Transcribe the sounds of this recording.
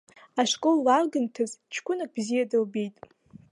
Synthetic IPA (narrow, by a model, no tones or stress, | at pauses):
aʂkʼolːarɡɨntʰɨzt͡ʃʰkʷʊnak̚bzijadɨlbejtʼ